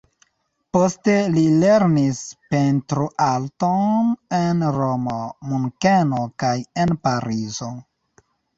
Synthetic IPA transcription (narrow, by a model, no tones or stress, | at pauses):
po̞ste̞lile̞ɾnispentɾuʔaltonnenɾomomuŋkenokajenpaɾizo̞